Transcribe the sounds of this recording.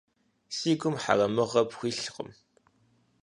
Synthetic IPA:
siːɡʷʊmħa̰rɐmɨʁɐpxʷiːɬqə̰m

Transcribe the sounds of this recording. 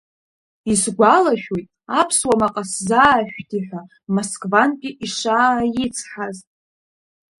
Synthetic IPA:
isɡʷalaʃᶣojtʼapʰswamaqʼaszaːʃʷᶣdʰiħʷa | moskʼvankʲʼɪʔiʂaːjɪt͡sʰħaztʼ

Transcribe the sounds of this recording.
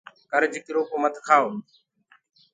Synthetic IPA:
kəɾd͡ʒɪkɾoːkoːmət̪ʰkʰaːoː

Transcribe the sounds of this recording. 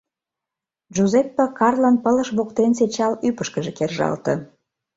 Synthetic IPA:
ʒuzepːəkɑrlənpələʃβokt̪enset͡ɕɑlypəʃkəʒekerʒɑ̰lt̪ə

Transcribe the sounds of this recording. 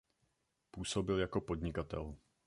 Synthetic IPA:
puːso̞bɪljako̞po̞dɲɪkat̪ɛ̰l

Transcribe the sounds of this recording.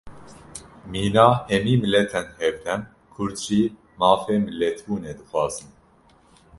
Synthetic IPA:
miːnɑːhɛmiːmɨlɛt̪ʰɛnhɛvd̪ɛn | kʰʊɾʒiː | mɑːfeːmɨlɛt̪ʰbuːneːd̪ɨxʷɑːzɨn

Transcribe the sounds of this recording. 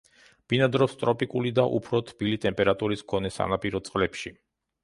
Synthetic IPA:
b̥inad̪ɾɔst̪ʼɾɔpʼikʼulid̪aʔṵpʰɾɔt̪ʰb̥ilit̪ʼɛmpʼɛɾat̪ʼuɾiskʰɔnɛsa̰napʼiɾɔt̪sʼqʼlɛpʃi

